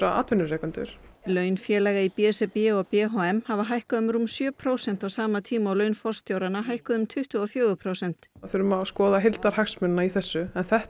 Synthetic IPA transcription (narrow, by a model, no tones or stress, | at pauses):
ɾaa̰ːt̪vʏnːʏɾrɛːkʏnt̪ʏ̰ɾ̥lœːɥnfjɛːlɛːɣaipiɛsɛpɛɔɣpɛɦɔɛmhavaɦajhkaðʏmɾumsjœːpʰɾoːwsɛn̥t̪awsaːmat̪ʰiːmaawlœːɥnfɔr̥st̪jowɾanaɦajhkaðʏmt̪ʰʏht̪ʏɔfjœːɣʏpʰɾowsɛn̥t̪aθʏɾʏmaskɔːðaɦɪlt̪aɾ̥haksmʏnnaiθɛsːʏɛnθɛh